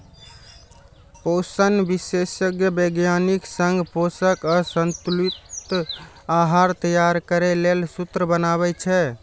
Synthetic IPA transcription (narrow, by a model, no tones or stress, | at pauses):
posənbisesəɡjəbəɡjaniksəŋɡposəkəsənt̪ulit̪ | aɦaɾt̪əjaɾkəɾɛlelsut̪ɾəbənaβɛt͡ʃʰɛ